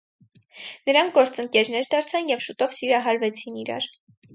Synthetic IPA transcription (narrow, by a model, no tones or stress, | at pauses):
nəɾɑŋk̚ʰɡɔɾt͡səŋkɛɾnɛɾd̪ɑɾt͡sʰɑnjɛvʃut̪ɔvsiɾɑɦɑɾvɛt͡sʰiniɾɑ̰ɾ